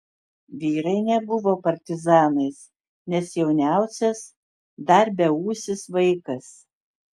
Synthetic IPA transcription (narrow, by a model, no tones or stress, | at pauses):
ʋʲiːɾɐɪnʲɛbʊʋoːpɐɾʲt̪ʲɪzɑːnɐɪs | nʲɛsjɛʊnʲæˑʊsʲɛs | d̪ɐɾʲbʲɛuːsʲɪsʋɐɪkɐs